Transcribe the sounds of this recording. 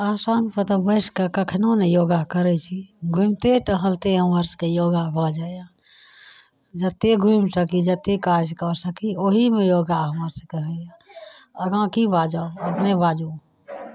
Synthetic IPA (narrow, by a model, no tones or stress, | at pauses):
aːsanpət̪əbəɪskekəkʰnonejoɡakəɾɛt͡ʃʰiɡʱumt̪eʈəɦəlt̪eɦəməɾskejoːɡabʱɔd͡ʒaja | d͡ʒət̪ːeɡʱumsəkid͡ʒət̪ːekad͡ʒkəsəkioɦimejoːɡaɦəməɾsəkəɦəjaəɡãkibad͡ʒaoəpnebad͡ʒu